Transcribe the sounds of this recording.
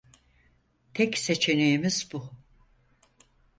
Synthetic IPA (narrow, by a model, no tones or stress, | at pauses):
t̪ʰɛkse̞t͡ʃʰe̞nejimizbu